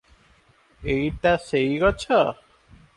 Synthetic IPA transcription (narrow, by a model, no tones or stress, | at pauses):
ejʈasejɡɔt͡ʃʰɔ